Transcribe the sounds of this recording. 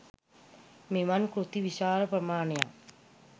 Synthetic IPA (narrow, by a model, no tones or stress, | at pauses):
miʋankɾut̪iʋiʃaːɾəprəmaːneja̰